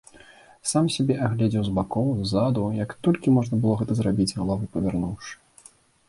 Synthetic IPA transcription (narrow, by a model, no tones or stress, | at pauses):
samsʲabʲɛʔaɣlʲɛd͡zʲɛwzbakɔwzːad̪ujɐkt̪ɔlʲkʲimɔʐnɐbɨlˠɔɣɛt̪ɐzrabʲid͡zʲɣɐlˠavɨpɐvʲarnuwʂɨ̥